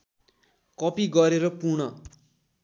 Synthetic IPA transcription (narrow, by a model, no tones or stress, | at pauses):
kʌpiɡʌɾeɾʌpunʌ